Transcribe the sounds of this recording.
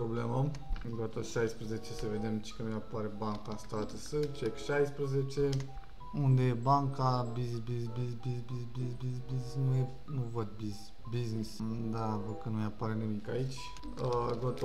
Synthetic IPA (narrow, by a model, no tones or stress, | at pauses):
pɾoblemə | ɡot̪oʃajspɾəzet͡ʃe̞səve̞d̪e̞mt͡ʃe̥kənumapaɾebaŋkanst̪at̪əsət͡ʃekʃajspɾəzet͡ʃe̞ | und̪ejebaŋkabizbibisbizbizbizbizbiznisnuje | nuvəd̪̚biz | biznisd̪avəkənumeapaɾenimikait͡ʃʲ | əɡot̪